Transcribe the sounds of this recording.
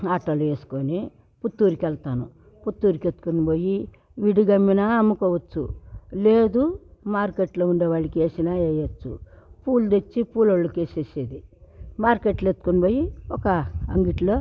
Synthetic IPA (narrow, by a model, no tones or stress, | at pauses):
aːʈɐlueːsu̥koːni | put̪ːuːɾikɛlt̪aːnu | put̪ːuːɾiket̪ːu̥kuniboːji | ʋiɽiɡɐmːinɐɐmːukoːʋɐt͡ʃːṵleːd̪umaːɾkeʈloːuɳɖeʋaːɭɐkieːsinaejɐt͡ʃːṵpuːld̪et͡ʃːipuːloɭːɐkeːsesed̪imaːɾkeʈlet̪ːu̥kuniboːjiɔkɐɐŋɡiʈloː